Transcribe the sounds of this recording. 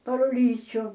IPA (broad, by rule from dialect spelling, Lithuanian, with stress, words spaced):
pɐr ʊˈlʲiːt͡ʃʲʊ